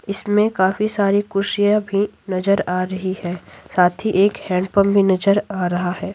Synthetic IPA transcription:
ɪsmẽkaːfisaːɾikʊʃijabʱi | nɐzəɾaːɾɐɦihɛːsaːt̪ʰiʔeːkhɛ̃ːɳɖ̚pəmbʱinɐd͡ʒəɾaːɾɐɦahɛː

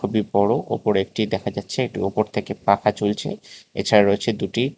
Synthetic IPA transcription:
obibɔɽoʔo̰poɾek̚ʈid̪ɛkʰad͡ʑatːɕʰeek̚ʈḭopoɾt̪ʰekepakʰat͡ɕult͡ɕʰḛḛt͡ɕʰaɾaɾoet͡ɕʰed̪uʈi

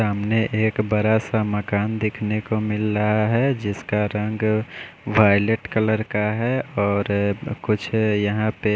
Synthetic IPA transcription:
saːmneʔeːkbəɾasaməkaːnd̪ɪkʰnekomɪlɾəɦaɦɛd͡ʒɪskaɾə̃ŋɡ | ʋaːjleʈkələɾkaɦɛɔːɾkʊt͡ʃʰjɐɦãpe

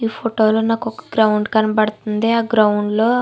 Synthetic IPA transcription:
iːpʰoʈoːloːnaːkɔkɐ̥ɡɾɐwuɳɖkɐnɐbɐɽt̪und̪eaːɡɾɐwuɳɖloː

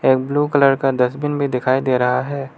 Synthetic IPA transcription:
eːk̚bluːkɐləɾkad̪ɐsbɪnbʱid̪ɪkʰaːid̪eːɾɐɦaɦɛː

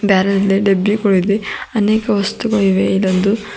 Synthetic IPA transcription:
baːɾɐnɐlːiɖebikoɭid̪iɐneːkɐʋɐst̪uɡɐɭiʋeilːɐnd̪u

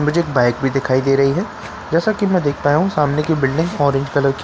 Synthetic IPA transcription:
nbɐd͡ʒeeːkbaːɪk̚bʱid̪ɪkʰaːid̪eːɾɐɦiɦɛː | d͡ʒɛːsakimɛ̃d̪eːkʰpaːjɦũsaːmnekibɪlɖɪ̃ŋɡɔːɾẽɲd͡ʒɡɐləbk

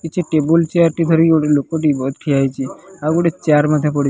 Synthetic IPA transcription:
kit͡ʃʰeʈebult͡ʃaɾʈit̪ʰəɾioɽelokoʈ̪ibɔt̪̚ʈʰiajt͡ʃʰeaɡuɽet͡ʃaɾmãt̪ʰapəɽ

